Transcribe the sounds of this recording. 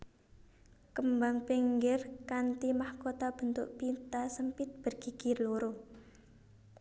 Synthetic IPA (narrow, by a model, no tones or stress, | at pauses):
kəmbaŋpiŋɡɪrkant̪imahkot̪ab̥ə̤nt̪ʊʔpint̪asəmpɪt̪̚b̥ə̤rɡ̥i̤kiloɾo